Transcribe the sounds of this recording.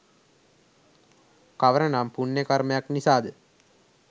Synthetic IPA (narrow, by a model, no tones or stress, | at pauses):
kaʋəɾənaːmpunːekaɾmejaknisaːd̪ə